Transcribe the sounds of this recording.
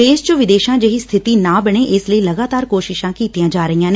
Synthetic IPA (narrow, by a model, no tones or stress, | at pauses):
eːʃt͡ʃəʋɪd̪eːʃãːd͡ʒəɦiːst̪ʰɪt̪iːnãːbəɽ̃eːʔɪsləiːləɡaːt̪aːɾkoːʃɪʃãːkiːt̪ijãːd͡ʒaːɾəɦijãːne